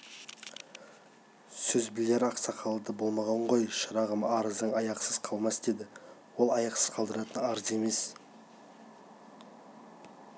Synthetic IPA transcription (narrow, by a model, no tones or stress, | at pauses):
sɵzbɪjleɾɑqsɑqʰɑlˠəd̪əbo̞lˠmɑʁɑɴʁo̞jʃəɾɑʁəmɑɾəzd̪əɴɑjɑqsəz̥qʰɑlˠmɑsd̪e̞d̪ɪwo̞lˠɑjɑqsəz̥qʰɑlˠd̪əɾɑt̪ənɑɾze̞me̞s